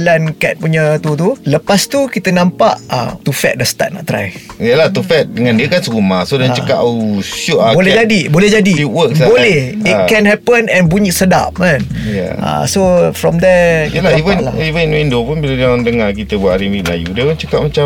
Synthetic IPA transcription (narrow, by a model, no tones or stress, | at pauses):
lankɛt̪̚puɲət̪ut̪uləpast̪ukit̪ənãmpa̰ʔa̰t̪ufɛ̰t̪̚dəst̪a̰t̚na̰ʔt̪ɾa̰jiəlaht̪ufɛt̪̚dəŋãndiəkansəɣumasodãt͡ʃəkaʔʃuʔabolɛd͡ʒadibolɛhd͡ʒadiitwəksbolɛhikɛ̃nɦɛpənɛ̃nbuɲiʔsəda̰p̚mãn | ja̰a̰sofɾɔmd̪ɛjəlaivənlaivəninwindopunbilədadəŋakit̪əbuaʔaɾiwiʔla̰jṵdiəpunt͡ʃəkapmat͡ʃa